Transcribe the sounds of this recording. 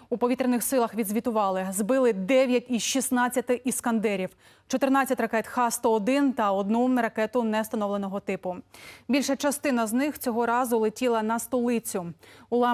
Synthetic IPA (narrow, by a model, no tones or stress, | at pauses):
upɔʋʲit̪ɾenɪxsɪlˠɐxʋʲid̪zʋʲit̪ʊʋɑlˠɪzbɪlˠɪd̪ɛʋʲjɐtʲiʃisnɑt͡sʲːɐt̪ɪʔiskɐnd̪ɛɾʲiw | t͡ʃɔt̪ɪrnɑt͡sʲːɐtʲrɐkɛt̪xɑst̪ɔɔd̪ɪnt̪ɐɔd̪nuɾɐkɛt̪ʊnɛst̪ɐnɔʋlˠenɔɦɔt̪ɪpʊbʲilʲʃɐt͡ʃɐst̪ɪnɐznɪxt͡sʲɔɦɔɾɑzʊlˠɪtʲilˠɐnɐst̪ɔlˠɪt͡sʲʊʊlˠɑ